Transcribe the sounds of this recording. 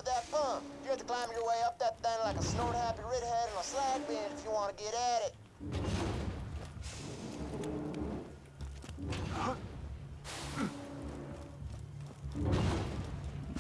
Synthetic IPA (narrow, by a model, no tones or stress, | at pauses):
ðɨt̚fʌ̃mjɨɡæftə̥kʰl̥ãɪ̃mjə˞weɪʌp̚ðɨt̪̚θɛ̃ŋlaɪkəsnoʊd̚hæpiɹɛd̚hɛɾɨ̃nəslæɡ̚bæ̃ndɨfjɨwɑ̃nɨɡɛɾɨɾɪt̚